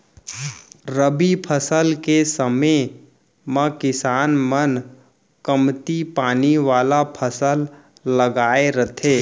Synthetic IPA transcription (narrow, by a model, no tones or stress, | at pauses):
ɾəbipʰəsəlkesəme | mə̃kɪsaːnmən | kəmt̪ipaːniʋaːlapʰəsəlː | əɡaːeɾət̪ʰeː